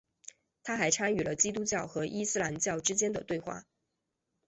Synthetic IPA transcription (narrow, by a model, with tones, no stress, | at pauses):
t̪ʰa˥xa˧˥ɪʈ͡ʂʰa˥ny˨˩lə˦t͡ɕi˥t̪u˥t͡ɕjɑ˥˩ʊxɤ˧˥ʔi˥sɹ̩˥la˧˥nt͡ɕjɑ˥˩ʊʈ͡ʂɻ̩˥t͡ɕjɛ˥nd̪ə̰˨t̪we˥˧ɪxwa̰˥˩